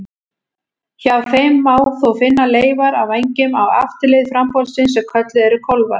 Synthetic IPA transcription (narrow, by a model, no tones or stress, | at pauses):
çaːvθejmːaːwθɔfɪnːaleːjvaɾavejɲcɪmawa̰ft̪ɪleːjðfɾampɔlsɪnsɛmkʰœt̪lɪɛɾʏkʰɔlva̰ɾ̥